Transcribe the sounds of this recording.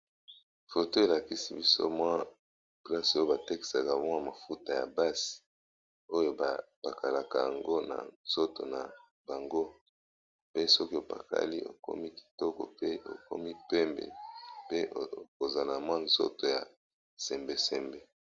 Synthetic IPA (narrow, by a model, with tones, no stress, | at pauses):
fo˨to˦e˨la˨ki˦si˨bi˦so̰˦mwa˦ | pla˦so˦jo˦ba˨te˦ki̥˨sa˨ka˨bɔ˦ŋa˨ma˨fu˦ta˨ja̰˨ba˦si̥˨ | o˦jo˦ba˨pa˨ka˨la˨ka˨ja˨ŋɡo˦na̰˨nz̥o˦to̰˨na˨ | ba˨ŋɡo˦ | pe˦sɔ˦ki˦o˨pa̰˨ka̰˦li˦ʔo̰˨ko̰˦mi˦ki̥˨tɔ˦kɔ̰˨pe˦o̰˨ko̰˦mi˦pɛ˦mbḛ˨pe˦o˨za˨la˨mwa˦nzo̰˦to˨ja̰˨ | sɛ˨mbe˦sɛ˨mbe˦